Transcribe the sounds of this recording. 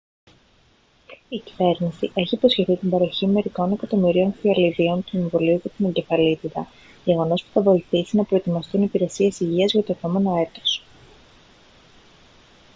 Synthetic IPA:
icive̞ɾnisiʔe̞çiːpo̞sçe̞θit̪ibɐɾo̞çime̞ɾiko̞ne̞kɐt̪o̞miɾio̞nfiɐliðio̞nt̪ueɱvoliucet̪ineɲɟe̞fɐlit̪it̪ɐ | ʝe̞ɣo̞no̞spu̥θɐvo̞iθisinɐpɾo̞e̞t̪imɐst̪unipiɾe̞sie̞siʝiɐzʝɐt̪o̞epo̞me̞no̞e̞t̪o̞̥s

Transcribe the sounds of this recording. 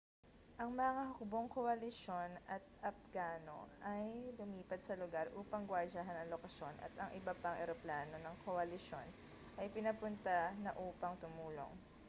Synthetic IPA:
ʔɐŋmɐŋɐɦokboŋkoʔɐlɪʃo̞nɐt̪̚ʔɐp̚ɡaːno̞̰ʔɐjlʊmiːpɐd̪̚sɐlʊɡaɾʔuːpɐŋɡwad͡ʒaɦɐnɐŋlokɐʃo̞nʔɐ̰t̪ɐŋʔɪbɐpɐŋʔɛ̰ɾoplaːno̞nɐŋkʰoʔɐlɪʃo̞n | ʔɐjpɪnɐpʊnt̪anɐʔuːpɐŋt̪ʊmuːlo̰ŋ

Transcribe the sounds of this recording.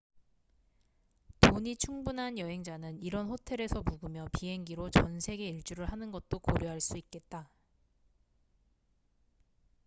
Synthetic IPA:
toɲit͡ɕʰuŋbunɦanjʌɦe̞ŋd͡ʑanɯniɾʌnɸotʰe̞ɾe̞sʰʌmuɡɯmjʌpiɦe̞ŋɡiɾot͡ɕʌnsʰe̞ɡe̞iɭt͡ɕ͈uɾɯɭhanɯnɡʌt̚t͈okoɾjoɦaɭs͈uik̚k͈e̞t̚t͈a

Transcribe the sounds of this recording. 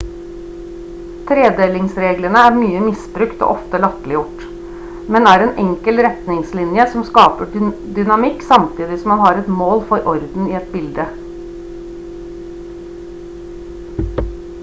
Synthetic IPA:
t̪ʰɾeːd̪eːlɪŋsɾeːɡləɳəæɾmyːəmɪsbɾʉkt̪ɔ̰ʔɔft̪əlɑt̪lɪjʊʈ | mɛnæːɾɛːnʔɛŋkəlɾɛt̪nɪŋslɪnjəsɔmskɑːpə | d̪ʏnɑmɪkːsɑmt̪ʰiːd̪ɪsɔmɑnhɑɾɛt̪moːlfɔɾʔɔɾd̪n̩ɪɛt̪bɪld̪ə

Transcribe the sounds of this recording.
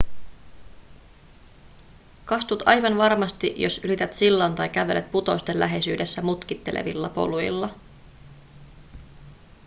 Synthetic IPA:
kɑst̪ut̪ɑjʋɑnʋɑrmɑst̪iʔjo̞sylit̪æt̪silːoːnt̪ɑjkæʋe̞̰le̞t̪̚put̪o̞jst̪elʔæ̰ɦe̞syːde̞sːæmut̪k̟it̪ːe̞lḛʋḭlːɑpo̞̰lujḭlːɑ

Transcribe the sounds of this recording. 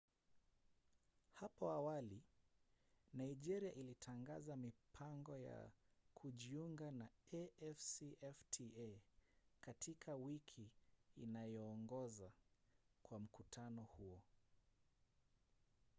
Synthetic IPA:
hapɔawali | naiʄɛɾiaʔilitʰaŋɡazamipʰaŋɡɔja̰kʰuʄiuŋɡanaɛɛfsiʔɛftʰiɛ | katʰikʰawikʰiːnajɔːŋɡɔza | kwam̩kutʰanɔhuɔ

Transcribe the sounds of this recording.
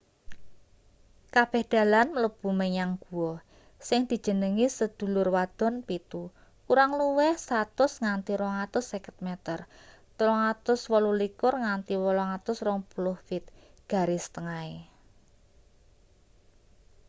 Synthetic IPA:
kab̥ɛ̤hd̪̥a̤lanmələb̥ṳməɲaŋɡ̥ṳwɔ | sɪŋd̪̥i̤̥ʒ̥ə̤nəŋisəd̪̥ṳlʊrwad̪̥ɔ̤npit̪u | kuɾaŋluwɛhsat̪ʊsŋant̪iɾɔŋat̪ʊsːɛkə̥t̪̚mɛt̪ər | t̪əlɔŋat̪ʊswɔlulikʊrŋant̪iwɔlɔŋat̪ʊsrɔŋpulʊhfɪt̪̚ɡ̥a̤ɾɪsə̥t̪əŋae

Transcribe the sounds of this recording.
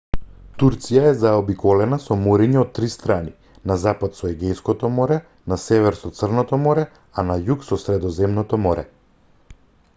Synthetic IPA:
t̪uɾt̪sijaɛzaɔbikɔlɛnasɔmɔɾiɲɛɔt̪ːɾist̪ɾani | nazapat̪sɔɛɡɛjskɔt̪ɔmɔɾɛ | nasɛvɛɾsɔt̪sr̩nɔt̪ɔmɔɾɛ | anajuksɔsɾɛd̪ɔzɛmnɔt̪ɔmɔɾɛ̰

